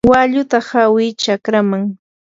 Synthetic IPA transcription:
waʎʊt̪ahawɪt͡ʃakɾamaŋ

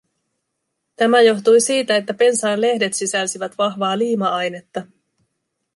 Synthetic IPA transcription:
t̪æmæjo̞ht̪ujsiːt̪æet̪ːæpe̞nsɑːnle̞hde̞t̪sisælsiʋæt̪ʋɑɦʋɑːliːmɑɑjne̞t̪ːɑ

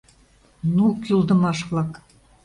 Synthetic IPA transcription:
nukjulˠd̪ɤ̆mɑʃβlˠɑk

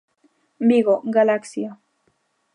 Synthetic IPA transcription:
biɣoɡalaksio

